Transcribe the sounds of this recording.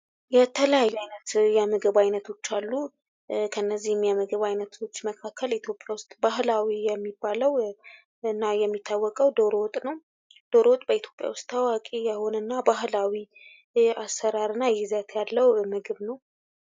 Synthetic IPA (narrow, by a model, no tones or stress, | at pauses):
jɛt̪ʰələjajːuajnət̪jɛmɨɡɨβajnət̪ʰo̞t͡ʃːalːu | kʰəɨnːəzːihɛmːjamɨɡɨβajnət̪ʰo̞t͡ʃːməkʰakʰːəlit̪ʰjo̞pʼjawʊst̪ʼbaɦlawijɛmːibːaləw | ɨnːajɛmːit̪ʰːawːɔkʼəwd̪oɾot̪ʼnəw | d̪̥oɾot̪ʼb̥əit̪ʰjo̞pʼja̰wʊst̪ːawakʼijɛho̞nənːabaɦlawi | asːəɾaɾɨnːajɛzat̪ʰjalːəwmɨɡɨβnəw